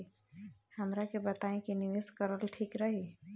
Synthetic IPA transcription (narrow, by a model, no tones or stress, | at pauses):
hɐmɾakebət̪aːẽkinɪʋeskəɾəlʈʰiːkɾəɦi